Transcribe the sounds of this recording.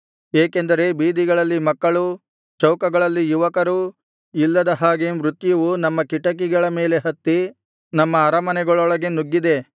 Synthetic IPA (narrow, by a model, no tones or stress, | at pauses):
eːkend̪ɐɾe̞biːd̪iɡɐɭɐlːimɐkːɐɭu | t͡ʃɐwkɐɡɐɭɐlːijuʋɐkɐɾu | ilːɐd̪ɐɦaːɡemɾut̪jɐʋunɐmːɐkiʈɐk̬iɡɐɭɐme̞ːle̞ɦɐt̪ːi | nɐmːɐːɾɐmɐnɛɡɐɭɔɭɐɡe̞nuɡːid̪e̞